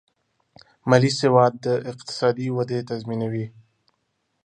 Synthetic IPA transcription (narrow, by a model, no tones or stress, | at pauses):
malisewɑd̪̚ːəɪqt̪ɪ̥sɑd̪iwad̪et̪azminawi